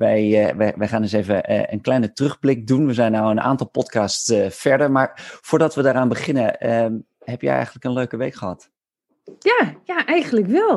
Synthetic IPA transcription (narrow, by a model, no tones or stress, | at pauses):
ʋɛjʋɛʋɛjχaːnɪsejvə̰ə̰nklɛjnətrɵχblɪk̚dunʋəzɛjnːawənʔa̰ːntɑlˠpɔtkɑːstsfɛɹdəɹmaːɹv̥ʊːɹdɑtʋədaːɾaːnbəχɪnəə | ɦɛpjɛ̰jɛ̰jχənləkənløɥkəʋejkχəɦɑt | jaːjaʔɛjχənləkʋɛlˠ